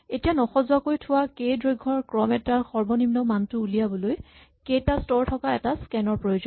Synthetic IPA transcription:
etijanɔxɔzʊakojtʰʊwakejdɹojɡʱːɔɹkɹɔmɛtɹaɹxɔɹbɔnimnɔmantʊulijabɔloj | kejtastɔɹtʰɔkaɛtaskɛnɔɹpɹojozɔn

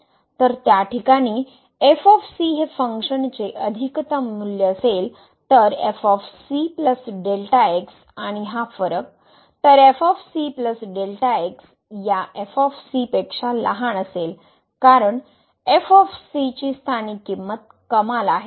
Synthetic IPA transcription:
t̪əɾt̪jaʈʰikaɽ̃i | efɔfsiɦefəŋkʂənt͡seʔəd̪ʱikt̪əmmːuljəsel | t̪əɾḛfɔfsipləsɖelʈaeks | aɽ̃iɦafəɾək̚ | t̪əɾefɔfsipləsɖelʈaeks | jaʔefɔfsipekʂalə̰ɦaɳəsel | kaɾəɳ | efɔfsit͡ɕiːst̪ʰanikːimːət̪̚ | kəmalaɦe

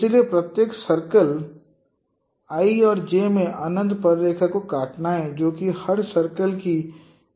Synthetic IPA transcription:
ɪlepɾɐt̪jeːksəɾkəl | aːiɔːɾd͡ʒeːmẽʔaːnə̃nd̪pɐɾɾeːkʰakokaːʈʰnaɦɛd͡ʒoːkihɐɾsəɾkəlki

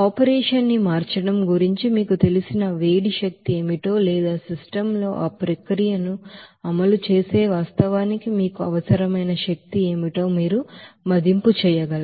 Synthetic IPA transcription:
kaːpɐɾeːʂɐnːimaːɾt͡ʃɐɽɐmɡuɾiɲt͡ʃimiːkut̪e̞lisinɐʋe̞ːɽiʃɐk̚t̪ieːmiʈo̞ːlɛːd̪aːsisʈɐmlo̞ːʔaːpɾekɾijɐnuɐmɐlut͡ʃe̞ːse̞ːʋaːst̪ɐʋaːnikimiːkuɐ̰ʋɐsɐɾɐmɐjnɐʃɐk̚t̪ie̞ːmiʈoːmiːɾumɐd̪imput͡ʃɛːjɐɡɐlɐ

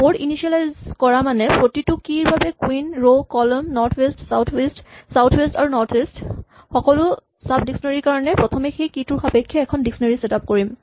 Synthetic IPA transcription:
moɹinisialajzkɔɹamanɛpɹotitʊkiɹbʱabɛkwinɹokɔlɔmnɔɹtʰwestsawtʰwestsawtʰwestaɹunɔɹtʰwist | xɔkɔlʊ | sabdiksɔnaɹikaɹɔnɛpɹɔtʰɔmɛxejkitʊɹxapekʰːjɔɛkʰɔndiksɔnaɹisetap̚koɹim

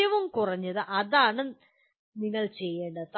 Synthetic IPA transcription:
ɐʋumkurɐɲːɐðɨʔɐðaːɳɨ | niŋːɐɭt͡ɕejːeːɳɖɐt̪

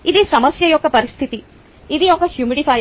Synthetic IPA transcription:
id̪isɐmɐsjɐjoːkɐpɐɾist̪ʰit̪i | id̪ijoːkɐhjuːmiɽifʰaj

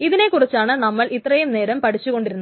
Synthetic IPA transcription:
iðine̞kːurit͡ɕːaːɳɨnɐmːɐɭit̪rɐjumne̞ːɾɐmpɐʈʰit͡ɕːuɣo̞ɳɖiɾunː

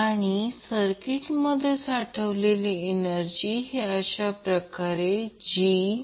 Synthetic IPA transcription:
aɽ̃isəɾkiʈməd̪ʱjesaʈʰəʋleliːnəɾd͡ʑiːɦeəɕapɾəkaɾed͡ʑi

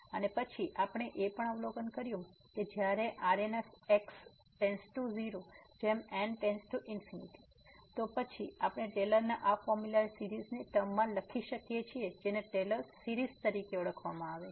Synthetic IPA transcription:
ənepət͡ʃʰiʔapɳ̃eʔepəɳaʋloɡənkəɾjũked͡ʒjaɾeʔaɾeneseks | ʈẽnsʈuziɾod͡ʒemɛnʈensʈuʔɪnfʰiniʈi̥ | t̪opət͡ʃʰiapɽ̃eʈeləɾnaʔafɔɾmiləɾsiɾizneʈəmːãləkʰiʃəkjet͡ʃʰied͡ʒeneʈeləɾsiɾizt̪əɾikeuɽəkʰʋamãaʋe

